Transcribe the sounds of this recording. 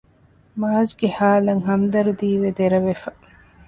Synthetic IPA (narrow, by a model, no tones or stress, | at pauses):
maːzɡehaːlɐŋɦɐmd̪ɐɾud̪iːʋed̪eɾɐʋefɐ